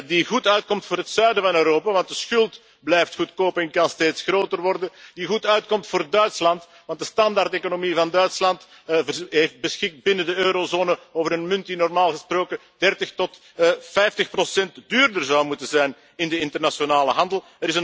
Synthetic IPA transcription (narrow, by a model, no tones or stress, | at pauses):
diɣutœɥt̚kɔmtfʊːɾɦətsœɥdəvɑnøːɾoːpaːʋɑnt̚dəsxʏlˠt | blɛjftxutkoːpənkɑnsteːtsxroːtərʋɔrdəndiɣutœɥt̚kɔmtfʊːrdœɥtslɑnt | ʋɑnt̚dəstɑndarteːkonomivɑndœɥtslɑnt | vəɦeft̚bəsxɪk̚t̚bɪnədəøːɾozoːnəoːvəɾənmʏnt̚dinɔrmaːlˠɣəsproːkə | d̥ɛrtəxtɔt | fɛjftəxprosɛntdyːrdərzɑwmutənzɛjn | ɪndəɪntərnasonaːləɦɑndəlˠ | əɾɪsən